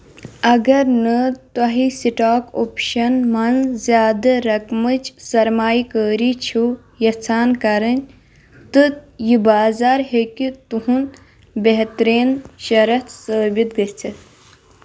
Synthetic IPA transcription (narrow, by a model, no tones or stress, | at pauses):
ɐɡɐɾnɨt̪ɐɦisiʈaːkoːpʃɐnmɐnzʲjaːd̪ɐɾɐkmɨt͡ʃsɐɾmaːjikəːɾit͡ʃʰu | jɐt͡sʰaːnkɐɾɐnʲ | t̪ɨjibaːzaːɾɦekit̪uɦun | beɦt̪ɾeːnʃɐɾɐt̪səːbit̪̚ɡɐt͡sʰɐ